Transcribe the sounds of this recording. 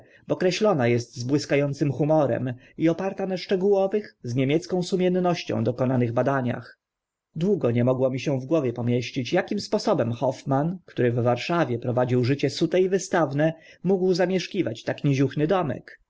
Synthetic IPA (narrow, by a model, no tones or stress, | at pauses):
bɔkɾɛɕlɔnajɛst̪zbwɘskajɔnt̪sɘmxumɔɾɛ̰m | iɔpaɾt̪anaʂt͡ʂɛɡuwɔvɘxzɲemʲjɛt̪skɔ̃w̃sumʲjɛnːɔɕt͡ɕɔ̰̃w̃d̪ɔkɔnanɘɣbad̪aɲa̰x | d̪wuɡɔɲɛmɔɡwɔmʲiɕɛ̃vɡwɔvʲjɛpɔmʲjɛɕt͡ɕit͡ɕjakʲimspɔsɔbɛmxɔfmankt̪uɾɘvːaɾʂavʲjɛpɾɔvad͡ʑiwʐɘt͡ɕɛsut̪ɛivɘst̪avnɛ | muɡwzamʲjɛʂkʲivat͡ɕt̪akɲɛʑuxnɘd̪ɔmɛ̰k